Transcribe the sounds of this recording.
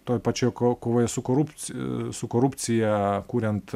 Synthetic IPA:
t̪oːjpɑt͡ʃʲoːjkoːkoːʋoːjɛsʊkoːɾʊpʲsʊkoːɾʊpʲt͡ssʲɪjɛkuːɾʲɛnt̪

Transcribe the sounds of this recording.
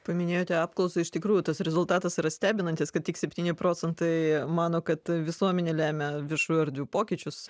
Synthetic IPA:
pɐmʲɪnʲeːjoːt̪ʲɛɑːpklˠɔʊsɐɪɪʃt̪ʲɪkɾuːjʊt̪ɐsɾʲɛzʊlˠt̪ɑːt̪ɐsiɾɐsʲt̪ʲæːbʲɪnɐnʲt̪ʲɪskɐt̪̚tʲɪksʲɛpʲt̪ʲiːnʲɪpɾoːt͡s̪ʲɛnt̪ɐɪmɑːnoːkɐt̪ʋʲɪsuɔmʲɛnʲeːlʲæːmʲɛʋʲɪrʃuːjʊɐɾʲd̪ʲʋʲuːpoːkʲɪt͡ʃʲʊs

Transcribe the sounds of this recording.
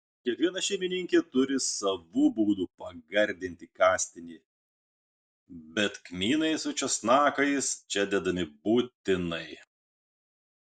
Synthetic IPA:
kʲiɛkʋʲiɛnɐʃʲɛɪmʲɪnʲɪŋʲkʲet̪ʊɾʲɪsɐʋubuːd̪uːpɐɡɐɾʲd̪ʲɪnʲt̪ʲɪkɑːsʲt̪ʲɪnʲiː | bʲɛt̪kmʲiːnɐɪsʊt͡ʃʲɔsnɑːkɐɪst͡ʃʲɛd̪ʲɛd̪ɐmʲɪbuːt̪ʲɪnɐɪ

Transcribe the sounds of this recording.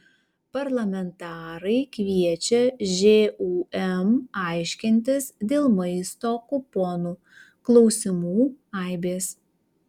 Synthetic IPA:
pɐɾlˠɐmʲɛnt̪ɑːɾɐɪkʲʋʲiɛt͡ʃʲɛʒʲeːuːɛmɐˑɪʃʲkʲɪnʲt̪ʲɪsd̪ʲeːlˠmɐɪst̪oːkʊpɔnuː | klˠɒʊsʲɪmuːɐˑɪbʲeːs

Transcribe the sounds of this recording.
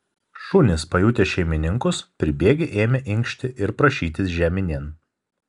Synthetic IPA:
ʃʊnʲɪspɐjut̪ʲeʃʲɛɪmʲɪnʲɪŋkʊspʲɾʲɪbʲeːɡʲeʔeːmʲɛʔɪŋkʃʲt̪ʲɪʔɪɾpɾɐʃʲiːt̪ʲɪsʒʲæːmʲɪnʲiɛn

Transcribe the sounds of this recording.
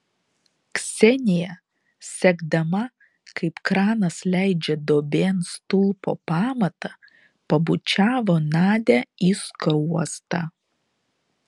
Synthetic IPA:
ksʲɛnʲɪjɛ | sʲɛɡd̪ɐmɐ | kɐɪpkɾɑːnɐslʲæˑɪd͡ʒʲɛd̪oːbʲeːnst̪ʊlˠpo̰ːpɑːmɐt̪ɐ | pɐbʊt͡ʃʲæːʋoːnɑːd̪ʲæiskuɔst̪ɐ

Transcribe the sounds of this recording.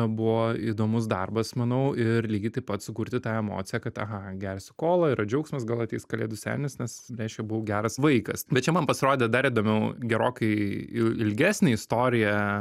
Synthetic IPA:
bʊʋoid̪oːmʊs̬d̪ɐrbɐsmɐnɐʊɪrlʲiːɡʲɪt̪ɐɪpɐt̪sʊkuːɾʲt̪ʲɪt̪ɑːɛmo̰ːt̪sʲɪjɛkɐt̪ɐ̰ɦɐɡʲæɾʲsʲɪkoːlˠɐɪɾɐd͡ʒʲɛʊksʲmʲɐsɡɐlˠɐt̪ʲiːskɐlʲeːd̪ʊsʲæ̰ːlʲnʲɪsnʲɛsɾʲɛɪʃʲkʲɛbʊʋɡʲæːɾɐsʋɐɪkɐsbʲɛt̪t͡ʃʲɛmɐnpɐsʲɪɾoːd̪ʲɛd̪ɐɾid̪oːmʲɛʊɡʲɛɾoːkɐɪɪɪlʲɡʲæːsʲnʲɛɪst̪oːɾʲɪjɛ

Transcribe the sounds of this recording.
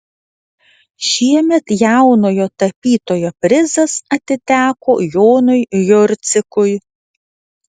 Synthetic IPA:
ʃʲiɛmʲɛt̪jæʊnoːjoːt̪ɐpʲiːt̪oːjoːpʲɾʲɪzɐsɐt̪ʲɪt̪ʲæːkoːjoːnʊɪjʊɾʲt̪sʲɪkʊj

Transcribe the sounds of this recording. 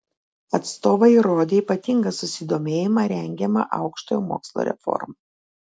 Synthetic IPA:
ɐt̪st̪oːʋɐiɾoːd̪ʲeːipɐt̪ʲɪŋɡɐsʊsʲɪd̪oːmʲeːjɪmɐɾʲɛŋʲɡʲɛmɐ̰ʔɐʊkʃt̪oːjomo̰ːkslˠo̰ɾʲɛ̰fɔ̰ɾmɑ

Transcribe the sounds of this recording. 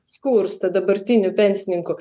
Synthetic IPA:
skuːɾst̪ɐd̪ɐbɐɾt̪ʲinʲʊpʲɛnʲsʲnʲɪŋkʊ

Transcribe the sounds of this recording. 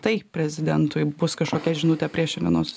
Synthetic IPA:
t̪ɐɪpʲɾʲɛzʲɪd̪ʲɛnt̪ʊɪbʊskɐʃkoːkʲɛʒʲɪnuːt̪ʲɛpʲɾʲiɛʃʲɛnʲɛ̰noːs

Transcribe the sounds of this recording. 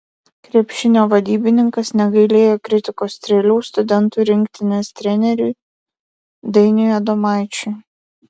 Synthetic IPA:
kɾʲeɛpʲʃʲɪnʲoːʋɐd̪ʲiːbʲɪnʲɪŋkɐsnʲɛɡɐɪlʲeːjoːkɾʲɪt̪ʲɪkoːst̪ʲɾʲɛlʲuːst̪ʊd̪ʲɛnˑt̪uːˑɾʲɪŋʲkt̪ʲɪnʲɛst̪ʲɾʲɛnʲɛɾʲuɪ | d̪ʲɛɪnʲʊjɛd̪ɔmɑˑɪt͡ʃʲʊ

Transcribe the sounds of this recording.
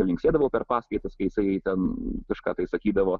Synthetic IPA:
ɐlʲɪŋksʲt̪ʲeːd̪ɐʋɐʊpʲɛɾpɑːskɐɪt̪ɐskɐɪjɪsɐɪjɛɪt̪ʲɛnkɐʃkɑːt̪ɐɪsɐkʲiːd̪ɐʋoː

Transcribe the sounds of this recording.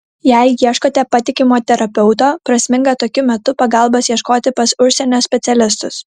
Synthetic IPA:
jɛɪjiɛʃkoːt̪ʲɛpɐt̪ʲɪkʲɪmoːt̪ʲɛɾɐpʲɛʊt̪oːpɾɐsʲmʲɪŋɡɐt̪oːkʲʊmʲɛt̪ʊpɐɡɐˑlˠbɐsjiɛʃkoːt̪ʲɪpɐsʊʃʲsʲɛnʲoːsʲpʲɛt̪sʲɛlʲɪs̬t̪ʊs

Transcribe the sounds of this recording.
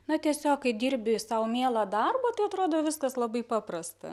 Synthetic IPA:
nɐt̪ʲiɛsʲoːkkɐɪd̪ʲiːɾʲbʲɪsɐʊmʲiɛlˠɐd̪ɐrboːt̪ɐɪɐt̪ɾoːd̪oːʋʲɪskɐslˠɐbɐɪpɑːprɐst̪ɐ̰

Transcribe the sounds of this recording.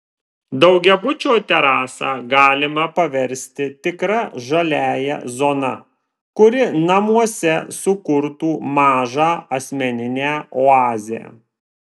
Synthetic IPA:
d̪ɐʊɡʲɛbʊt͡ʃʲoːt̪ʲɛɾɑːsɑːɡɑːlʲɪmɐpɐʋʲɛɾʲsʲt̪ʲɪt̪ʲɪkɾɐʒɐlʲæːjɛ̰zoːnɐ̰ | kʊɾʲɪnɐmuɔsʲɛsʊkʊɾt̪uːmɑːʒɑːɐsʲmʲɛnʲɪnʲæːoɑːzʲɪɛ̰

